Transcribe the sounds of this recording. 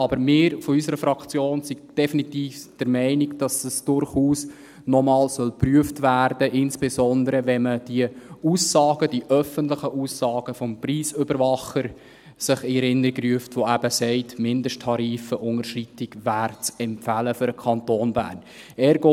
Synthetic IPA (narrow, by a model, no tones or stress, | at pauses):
ɑbəɾmɪːɾfɔysəɾəfɾɑkt͡sjoːnsiɡd̥ɛfinitiːfd̥əɾmɛɪniɡd̥ɑsəsd̥ʊrχuːs | nɔmɑːlsœlpryəftʋæɾd̥əʔɪnsb̥esɔndəɾəʋɛməd̥iəuːsːɑːɡ̥əd̥iʔœfəntlɪχəʔuːsːɑːɡ̥əfɔmpriːsʏbəɾvɑχəɾ | sɪχiɛɾɪnːəɾikryəftʋoæb̥əsɛɪtmɪndəʃtʰːɑɾiːfəʔʊŋəʃritɪɡʋæːɾt͡sɛmpfæləfʏɾəkʰɑntoːnbæ̰ːrn | ɛːɾɡoː